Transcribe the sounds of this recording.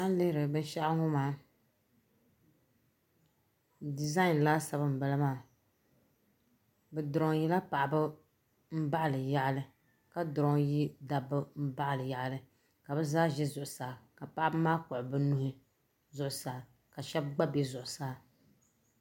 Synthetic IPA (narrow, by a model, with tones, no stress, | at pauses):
a˦lɨ˦hɾɨ˨bɨ˦n˦ʃa˦ʔŋʊ˦maː˦ | di˨za˦ɪ˨n˨laː˦sa˨bɨ˦m̩˨ba˦lɨ˦maː˦˨ | bɨ˨dʊ˨ɾɔ˨ŋ˦ji˦la˦pa˨ʔbɨ˦ | m̩˦ba˦ʔlɨ˨ja˨ʔlɨ˦ | ka˨˦dʊ˨ɾɔ˨˦ŋji˦da˨bɨ˦m̩˦ba˦ʔlɨ˨ja˨ʔlɨ˨˦ | ka˨bɨ˦zaː˦ʒɛ˦zʊ˨ʔʊ˨saː˨ka˨pa˦ʔa˦bɨ˦maː˦kʊ˨ʔʊ˨bɨ˦nʊ˦hɨ˦ | zʊ˨ʔʊ˨saː˨ | ka˨ʃɛ˦b̚ɡ͡ba˦be˦zʊ˨ʔʊ˨saː˦